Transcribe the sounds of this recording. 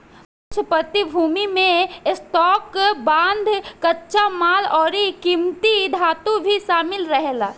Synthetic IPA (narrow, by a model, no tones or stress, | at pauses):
t͡ʃpɾət̪ibʱuːmimẽsʈ̪ɔːkbãːnd̪ʱkɐtːʃamaːlɔːɾikiːmt̪id̪ʱaːt̪obʱiʃaːmɪlɾəɦelaː